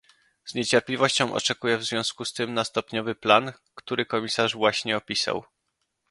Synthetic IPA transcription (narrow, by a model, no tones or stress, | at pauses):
z̥ɲet͡ɕɛɾplʲivɔɕt͡ɕɔ̃w̃ʔɔ̰t͡ʂɛkujɛvzvʲjɔ̃w̃skust̪ɘmnast̪ɔpɲɔvɘplan | kt̪uɾɘkɔmʲisaʐvwaɕɲɛɔpʲisa̰w